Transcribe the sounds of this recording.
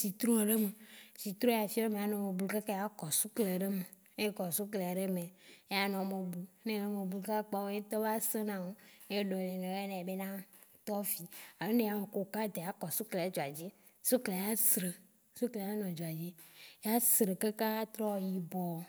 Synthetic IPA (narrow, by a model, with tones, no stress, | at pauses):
si˨t̪ɾũ˦˨ɖe˦me˨si˨t̪ɾõ˦˨a˨fi˦o˦e˦mẽ˨a˨nɔ̃˨me˨blu˦ka˦ka˦a˦kɔ˨su˦kle˨ɖe˦me˨ | e˦kɔ˨su˦kle˨a˨ɖe˦mẽ˨e˦a˦nɔ̃˨mẽ˨bu˦nẽ˦ɣe˦me˨blu˦ka˦k͡pa˦wo˦e˦t̪ɔ˦va˦se˦nã˦˨wo˦e˦ɖɔ˨le˨nẽ˨ɣe˦nẽ˨a˨be˦nã˦t̪ɔ˦fi˦a˨˦ne˦a˨me˨ko˨ka˦d̪e˨a˦kɔ˨su˦kle˨e˨˦d͡ʒo˨a˨d͡ʑi˦ | so˦kle˨a˨˦a˦sɾe˨ | su˦kle˨a˦nɔ̃˨d͡ʒo˨a˨d͡ʑi˦e˦a˦sɾe˨ke˦ka˦t̪ɾɔ˦˨ji˨bɔ˨